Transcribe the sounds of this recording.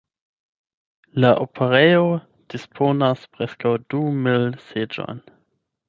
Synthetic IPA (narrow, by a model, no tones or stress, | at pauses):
laʔopʰeʁejo | d̥ispʰonaspɾeskawdumilsed͡ʒo̰jn